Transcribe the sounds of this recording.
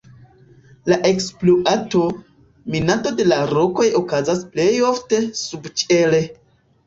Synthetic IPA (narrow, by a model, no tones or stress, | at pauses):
laʔe̞ksploʔato̞ | minato̞de̞laɾo̞ko̞jo̞kazasple̞jo̞fte̞subt͡ʃele̞